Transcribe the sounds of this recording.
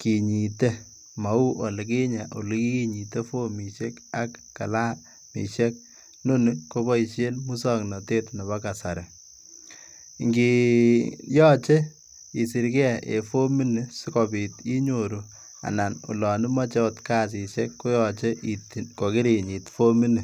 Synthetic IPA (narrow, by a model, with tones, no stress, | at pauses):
ki˨ɲi˨te˦ | ma˨u˦ʔo˨lɪ˨k̬i˦ɲa˨ʔo˨li˦ki˦ki˦ɲi˨te˦fo˦mi˨ʃe˦ka˦kːa̰˨la˦ | mḭ˨ʃɛ˦k̚ | no˦nɪko˦bɔ˦i˨ʃe˦nmu˦sɔ˦ŋnɔ˨te˦tnɔ˨βa˦ka˨sa˨ɾe˨ | ŋɡi˨ | jɔ˦t͡ʃe˦ | i˨si˨ɾkɛ˦˨ḛ˨fo˦mi˦nɪ˨si˦kɔ˨bi˨ti˦ɲo˨ɾu˨ | a̰˨na˨nṵ˨lɔ˨nɪ˦ma˦t͡ʃɛ˦ɔ˦tka˦s̬i˨ʃɛ˦kːo˦jɔ˨t͡ʃe˦ʔitko˨ki˦ɾi˨ɲi˨tfo˦mi˦ni˨